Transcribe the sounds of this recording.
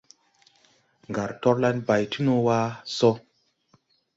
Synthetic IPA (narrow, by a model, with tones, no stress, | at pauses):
ŋɡa˨ɾtɔ˦ɾla˦nba˨jti˦nu˦wa˦so˦